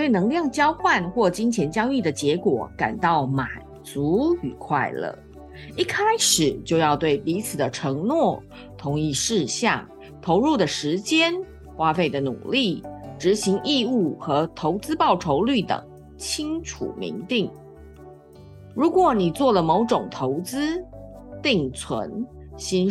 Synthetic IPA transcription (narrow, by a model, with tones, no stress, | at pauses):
t̪we˥˩ɪnɤ˧˥ŋljɑ˥˩ŋt͡ɕjɑ˥ʊxwa˥˧nxwɔ˥˩t͡ɕi˥ŋt͡ɕʰjɛ˧˥nt͡ɕjɑ˥ʊi˥˩d̪ə˩t͡ɕjɛ˧˥kwɔ̰˨˩ka̰˨˩nt̪ɑ˥˩ʊma˨˩n | t͡su˧˥y˨˩kʰwa˥˧ɪlə̰˨˩ | i˥˩kʰa˥ɪʂɻ̩˨˩t͡ɕjo˥˧ʊjɑ˥˧ʊt̪we˥˩ɪpi˧˥t͡sʰɹ̩˨˩d̪ə˦ʈ͡ʂʰɤ˧˥ŋnwɔ˥˩ | t̪ʰʊ˧˥ŋi˥˧ʂɻ̩˥˧ɕjɑ̰˥˩ŋ | t̪ʰo˧˥ʊɻu˥˩d̪ə˩ʂɻ̩˧˥t͡ɕjɛ˥n | xwa˥fe˥˩ɪd̪ə˩˦nṵ˨˩li˥˩ʈ͡ʂɻ̩˧˥ɕi˧˥ŋʔi˥˧u˥˩xɤ˧˥t̪ʰo˧˥ʊt͡sɹ̩˥pɑ˥˩ʊʈ͡ʂʰo˧˥ʊly˥˩t̪ə̰˨˩ŋ | t͡ɕʰi˥ŋʈ͡ʂʰṵ˨˩mḭ˧˥ŋt̪i˥˩ŋ | ɻu˧˥kwɔ˨˩˦ni˨˩t͡swɔ˥˩lə˩mo˧˥ʊʈ͡ʂʊ˨˩ŋt̪ʰo˧˥ʊt͡sɹ̩˥ | t̪i˥˩ŋt͡sʰwə̰˧˥n | ɕi˥n